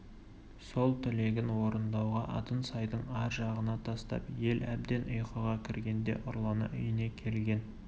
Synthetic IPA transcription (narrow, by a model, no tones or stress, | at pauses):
so̞lˠt̪ʰɪle̞ɡʲɪnwo̞ɾənd̪ɑwʁɑʔɑ̰t̪ənsɑjd̪əɴɑɾʒɑʁənɑt̪ʰɑst̪ɑ̰pje̞læ̰bd̪e̞nʔʊjqəʁɑkʲʰɪɾɡʲe̞nd̪e̞̰ʔʊɾlˠɑnə̰ʔʏjəne̞kʲʰe̞lɡʲe̞n